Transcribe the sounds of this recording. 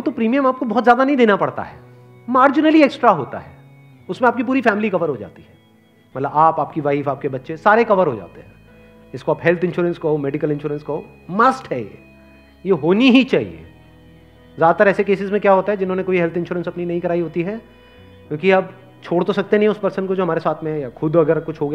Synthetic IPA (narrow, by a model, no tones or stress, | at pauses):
ot̪opɾiːmijəmaːp̚kobɔɦːt̪zjaːd̪anɐɦĩd̪eːnapɐɽt̪a̰ɦɛ̰ː | maːɾd͡ʒɪnəlieːksʈɾaɦoːt̪a̰ɦɛː | ʊsmẽaːp̚kipuːɾifɛːmɪlikɐʋəɾɦod͡ʒa̰ːt̪iɦɛː | mɐt̪ləbaːpaːp̚kiʋaifaːp̚kebɐtːʃesaːɾekɐʋəɾɦod͡ʒa̰ːt̪eɦɛ̃ː | ɪskoaːpɦɛlt̪ʰɪ̃nʃuːɾənskɐɦomɛːɖɪkəlɪ̃nʃuːɾə̃nskɐɦoː | mɐsʈɦɛjḛː | jeɦoːniɦit͡ʃaːɦḭḛː | zjaːd̪at̪əɾɛːsekeːsɪzmẽkjaːɦoːt̪aɦɛd͡ʒɪnɦõːnekoːiɦɛlt̪ʰɪ̃nʃuːɾə̃nsɐpninɐɦĩkɐɾaːiɦoːt̪iɦɛ | kjõːkiɐb | t͡ʃʰoːɽt̪osɐk̚t̪enɐɦĩʊspɐɾsə̃nkod͡ʒoːɐmaːɾesaːt̪ʰmẽjaxʰʊd̪ɐɡəɾkʊt͡ʃʰɦoːɡ